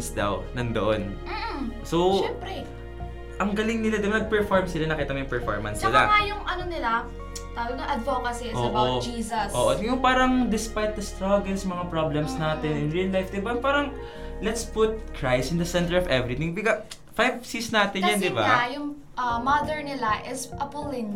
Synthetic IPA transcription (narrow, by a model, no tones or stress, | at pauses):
nsd̪ɐ̰wnɐŋd̪ɐʔon̩ | sowɛmpɾɛ | ʔɐŋɡɐlɪŋnɪlad̪ɪbanɐɡ̚pɛɹfoɹmsɪlanɐkiːt̪ɐŋjʊŋpɛɹfo̰ɹmɐ̰nsnɪla̰ŋajʊŋʔɐnonɪla | t̪aːwɐɡ̚nɐʔɐd̪vokɐsiʔoːʔbod͡ʒiːsɐsʔoːʔojʊŋpaːɾɐŋd̪ɪspajt̪̚d̪ɐst̪ɹaɡɛlsɐmɐŋapɹoblɛmsnaːt̪ɛnɪnɹiɐlːajfd̪ɪbapaːɾɐŋ | lɛt̪sput̪̚kɹajsɪnd̪ɐsɛnt̪ɛɹɔvɛvɾit̪ɪŋbɪkɐ | fajvsisnaːt̪ɪnjand̪ɪbajʊŋ | ʔɐmɐd̪ɛɹnɪlaʔɪsʔɐpʊlɪn